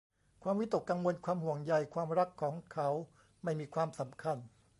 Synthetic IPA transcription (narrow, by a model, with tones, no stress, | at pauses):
kʰwaː˧mwi˦˥t̪o˨˩kːa˧ŋwo˧nkʰwaː˧mhu˨˩əŋja˧jkʰwaː˧mɾa˦˥kʰːɔː˩˦ŋkʰa˦˥w | ma˥˩jmiː˧kʰwaː˧msa˩˦mkʰa˧˩n